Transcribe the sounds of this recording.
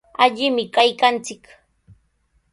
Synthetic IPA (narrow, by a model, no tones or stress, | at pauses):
aʎɪmɪkajkant͡sɪk